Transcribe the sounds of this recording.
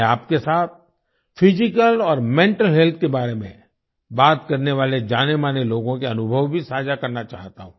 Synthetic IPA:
aːp̚kesaːt̪̚ | fɪd͡ʒɪkəlɔːɾmɛ̃ɳʈəlɦɛlt̪ʰkebaːɾemḛ̃ | baːt̪kɐɾneʋaːled͡ʒaːnemaːneloːɡõkeɐnʊbʱəʋbʱisaːd͡ʒakɐɾnat͡ʃa̰ːɦt̪aɦũː

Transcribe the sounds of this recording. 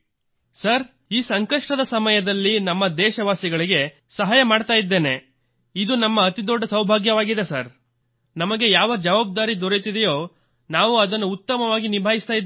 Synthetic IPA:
sɐɾ | iːsɐŋkɐʂʈɐd̪ɐsɐmɐjɐd̪ɐlːinɐmːɐd̪ɛːʃɐʋaːsiɡɐɭiɡe̞ | sɐɦaːjɐmaːɖt̪aːjid̪ːe̞ːne̞ | id̪unɐmːɐːt̪id̪ɔɖʱːɐsɐwbʱaːɡjɐʋaːɡid̪esɐ̰ɾ | nɐmɐɡe̞jaːʋɐd͡ʒɐʋaːb̚d̪aːɾid̪ɔɾet̪id̪ɛjo̞ː | naːʋuɐd̪ɐnːuut̪ːɐmɐʋaːɡinibʱaːɦist̪aːjid̪

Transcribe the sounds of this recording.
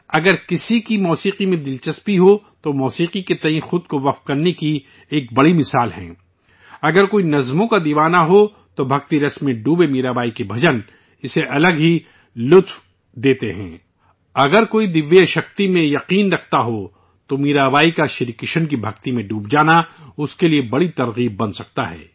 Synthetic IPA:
ɐɡəɾkɪsikimɔːsiːqimẽd̪ɪlt͡ʃɐspiɦot̪omɔːsiːqiket̪ɐĩxʊd̪̚koʋɐqf̚kɐɾneki | eːk̚bɐɽimɪsaːlɦɛ̰̃ː | ɐɡəɾkoːinɐzmõkad̪iːʋaːnaɦo | t̪obʱɐk̚t̪iɾɐsmẽɖuːbemiːɾaːbaːikebʱɐd͡ʒən | ɪseʔɐləɡɦi | lʊt̪f | d̪eːt̪eɦɛ̰̃ː | ɐɡəɾkoːid̪ɪʋːeʃɐxt̪imẽjɐqiːnɾɐkʰt̪aɦo | t̪omiːɾaːbaːikaʃɪɾikɪʃənkibʱɐkt̪imẽɖuːb̚d͡ʒaːnaʊskeliebɐɽit̪ɐɾɣiːb̚ːɐ̃nsɐk̚t̪aɦɛ̰ː

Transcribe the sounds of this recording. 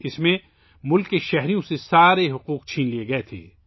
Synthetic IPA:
ɪsmẽ | mʊlkːeʃɛɦɾijõsesaːɾeɦʊquːqt͡ʃʰiːnlieɡɐet̪ʰḛː

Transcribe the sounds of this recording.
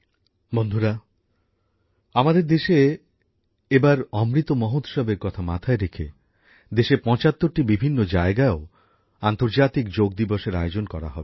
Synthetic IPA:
bond̪ʱuɾa | amad̪eɾd̪eʃe | ebaɾɔmɾit̪omɔɦot̪ʃɔbeɾkɔt̪ʰama̰t̪ʰaeɾekʰḛ | d̪eʃepɔ̃t͡ɕat̪ːoɾʈibibʱinːod͡ʑaeɡaeo | ant̪oɾd͡ʑat̪ikd͡ʑoɡ̚d̪iboʃeɾaeod͡ʑonkɔɾa̰ɦɔbe

